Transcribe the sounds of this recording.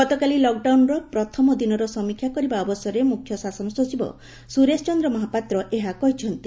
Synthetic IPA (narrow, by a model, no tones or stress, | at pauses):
ɡɔt̪ɔkalilɔk̚ɖawnɾɔpɾɔt̪ʰɔmɔd̪inɔɾɔsɔmikʰjakɔɾibaɔbɔsɔɾemukʰjɔsasɔnɔsɔd͡ʒibɔ̰ | suɾest͡ʃɔnd̪ɾɔmɔɦapat̪ɾɔʔeɦakɔɦit͡ʃʰɔnt̪i